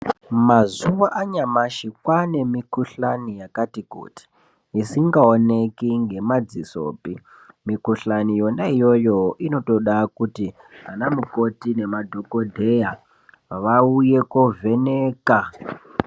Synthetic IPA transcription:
mazuʋaʔaɲamaʃikwane̞mikuɬanijakatikṵːti̥ | isiŋɡaone̞kiŋɡe̞mad͡ziso̰ːpi | mikuɬanijo̞naijo̞jo̞ʔino̞to̞ɗakuti | ɦanamuko̞tine̞madʱo̞ko̞dʱeja | ʋaujekovʱe̞neːka

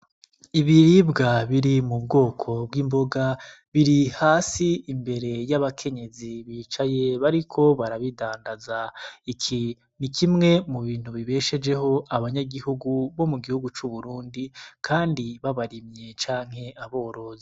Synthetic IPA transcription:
iβiɾibɡaβiɾimub̚ɡo̞ːkʰo̞bɡiːmbo̞ɡa | βiɾihaːsiːmbe̞ɾe̞jaβakʰe̞ɲe̞ziβiːt͡ʃaje̞βaɾikʰo̞βaɾaβidaːndazaikʰi | nikimŋe̞muβiːn̥huβiβe̞ʃe̞d͡ʒe̞ɦo̞ʔaβaɲaɡihuɡuβo̞muɡihuɡut͡ʃuβuɾuːndikʰaːndiβaβaɾimɲe̞t͡ʃaːŋ̥he̞ʔaβo̞ːɾoːzi

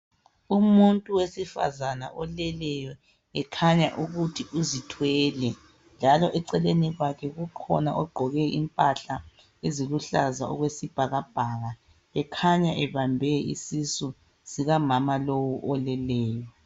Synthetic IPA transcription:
umuntʼuwesifa̰zana̰ʔɔlɛlɛjɔ | ɛkʰaɲa̰ʔuɣutʰiʔuzitʰwɛːlɛ | nd͡ʒʱalɔʔɛǀɛleniɣwakʰɛɣukʰɔ̰naʔɔɡ͡ǃʱɔɣɛimpʼaɬa | eziluɬa̰zaɔ̰ɣwesib̥ʱaɣab̥ʱaɣa | ɛkʰaɲaʔɛβambʱɛḭsisu | siɣamamalowuʔɔlɛlɛːjɔ

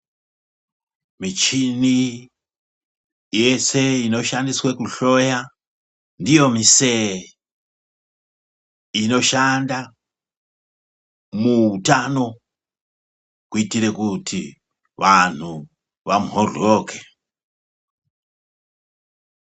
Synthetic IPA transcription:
mit͡ʃini | je̞se̞ino̞ʃandiswekuɬo̞ja | ndijo̞mise | ino̞ʃanda | muutano̞ | kuitiɾe̞kutʰi | ʋan̤u | ʋamɦorokʰe

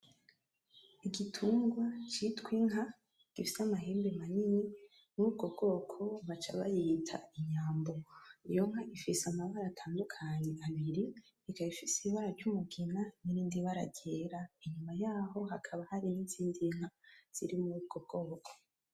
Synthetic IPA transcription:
iɡitʰuːŋɡwat͡ʃitwiŋɦa | ɡ̥ifi̥samaɦeːmbemanini | nuub̚ɡo̞bɡo̞ːkʰo̞βat͡ʃa̰βa̰jitʰa̰iɲaːmbo̞ijo̞ŋ̥haʔifiseamaβaɾatʰaːndukʰaɲeʔaβiɾi | ikaβifisiiβaɾaɾɟumuɡinaniɾiːndiβaɾa̰ɟeɾaiɲumajaːɦo̞ɦakʰaβahaɾiniziːndiŋ̥haz̥ḭɾimuɾuːb̚ɡo̞b̚ɡ̥o̞ːkʰo̥

